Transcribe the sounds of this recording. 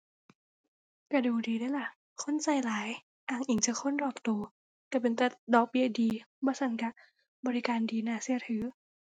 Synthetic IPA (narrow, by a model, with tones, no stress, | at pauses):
ka˧˩duː˨˩diː˨˧daː˧˩˨la˧˩ʔ | kʰo˧˥˨nsa˧˩jlaː˨˦j | ʔaː˧˩ŋʔi˨˦ŋt͡ɕa˧˩kʰo˧˥˨ndɔː˨˩k̚t̪uː˧ | ka˧˩pe˨nt̪ɛ˧˩dɔː˧˩k̚bi˧˥˩diː˧bɔː˧˦sʰa˧˥˨nka˧˩ | bɔː˧ɾi˦˧kaː˨ndiː˧naː˧˩si˧˩ət̪ʰɯː˨˦